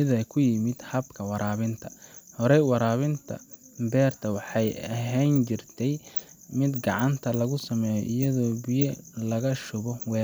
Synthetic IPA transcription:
ɪðɐkʰʊjɪmɪd̪hɐbkʰɐwɑɾaːβɪnt̪ʰɐhɔɾɛjwɑɾaːβɪnt̪ʰɐ̰ | bɛːrt̪ʰɐwɑħɑjɐɦɛnt͡ʃɪrt̪ʰɛjmɪd̪ɡɑʕɑnt̪ʰɐlɐɣʊsɐmɛːjɔ̰ʔɪjɐðɔːbɪjɛlɐɣɐʃʊβɔwɛː

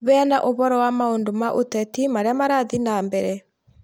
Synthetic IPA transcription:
βɛanaʔoβɔɾɔwamaoːndomaʔo̰tɛtimaɾeamaɾaðinambɛɾɛ

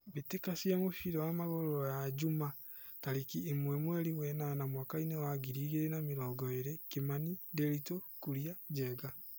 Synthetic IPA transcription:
βitekasiamofiɾɔwamaɣoɾojaɟuma | taɾikiːmwɛmwɛɾiwɛnanamwaːkainewaɡiɾiːɣeɾenamiɾɔːɡɔeɾekimanideɾitokuɾjad͡ʒɛːɡa

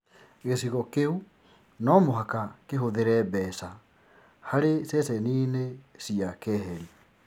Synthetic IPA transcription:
ɣesiɣɔkeu | nɔmoɦakakeɦoðeɾɛbɛsa | haɾesɛsɛniːnesiakɛɦɛɾi

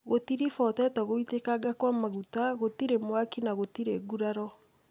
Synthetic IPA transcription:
ɣotiɾifɔtɛtɛɣoitekaɡakwamaɣutaɣotiɾemwakinaɣotiɾeɡuɾaɾɔ

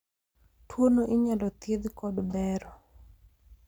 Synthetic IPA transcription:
twonoʔɪɲalɔt̪jed̪kɔdbɛɾɔ

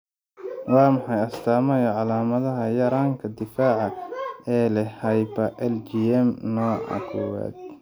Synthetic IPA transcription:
wɑːmɑħɑjɐst̪ʰaːmɛjɐʕɑlaːmɐðɐɦɐjɐɾaːŋkʰɐd̪ɪfaːʕɑɛːlɛhɐjbɐʔɛlt͡ʃiɛmnɔːʔɐ̰kʰʊwa̰ːd̪̚

